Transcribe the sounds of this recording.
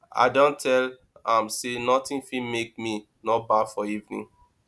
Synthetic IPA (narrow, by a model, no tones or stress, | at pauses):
a̰ɪdõntʰɛl | ãmsenɔtĩnfimek̚mi | nɔbafɔivnḭ̃n